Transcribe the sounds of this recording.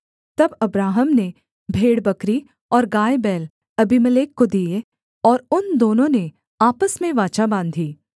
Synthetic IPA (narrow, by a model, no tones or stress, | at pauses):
t̪ɐbɐbɾaːɦəmne | bʱeːɽbɐkɾi | ɔːɾɡaːebɛːl | ɐbimɐleːkːod̪ie | ɔːɾʊnd̪oːnõne | aːpəsmẽʋaːt͡ʃabãːnd̪ʱiː